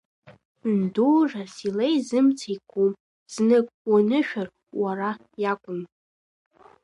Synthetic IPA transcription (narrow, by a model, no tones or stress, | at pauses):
nduːʐasilejzɨmt͡sʰajkʷʰʼum | z̥nɨkʼwanɨʃᶣar | waɾa | jakʷʼʊm